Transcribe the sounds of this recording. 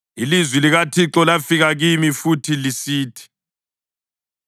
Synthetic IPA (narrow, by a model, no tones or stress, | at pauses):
ilizwiliɣatʰiǁɔlafiɣaɣimifutʰilisiːtʰi̥